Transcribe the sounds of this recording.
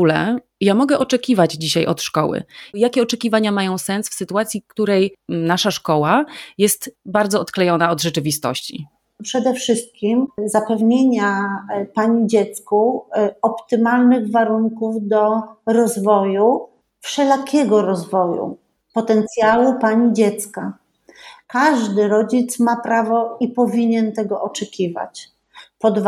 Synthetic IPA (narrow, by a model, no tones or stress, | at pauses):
ulɛ | jamɔɡɛʔɔt͡ʂɛkʲivad͡ʑd͡ʑiɕajʔɔ̰t̪ʂkɔwɘ̰jakʲɛɔt͡ʂɛkʲivaɲamajɔ̃w̃sɛnsfsɘt̪uat̪sʲjikt̪uɾɛjnaʂaʂkɔwajɛst̪baɾd̪zɔɔt̪klɛjɔnaɔd̪ʐɛt͡ʂɘvʲist̪ɔ̰ɕt͡ɕḭ | pʂɛd̪ɛfʂɘst̪̚kʲimzapɛvɲeɲapaɲid͡ʑɛt̪skuɔpt̪ɘmalnɘɣvaɾuŋkuvd̪ɔɾɔzvɔju | fʂɛlakʲʰɛɡɔɾɔzvɔjṵ | pɔt̪ɛnt̪sʲjalupaɲid͡ʑɛt̪ska | kaʐd̪ɘɾɔd͡ʑit̪smapɾavɔipɔvʲiɲɛnt̪ɛɡɔʔɔt͡ʂɛkʲiva̰t͡ɕ | pɔd̪v